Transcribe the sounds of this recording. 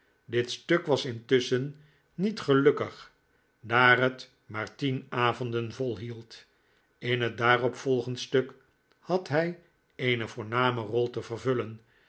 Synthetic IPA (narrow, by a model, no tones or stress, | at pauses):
dɪtstøkʋɑsɪntɵsənː | itχəlɵkəχ | daːrət | maːɹtinaːvɔndənvɔlˠɦilˠt | ɪnɦət̚daːrɔpfɔlˠχəntstøk | hɑtɦɛj | ejnəvʊːɹnaːmərɔlˠtəvərvɵlən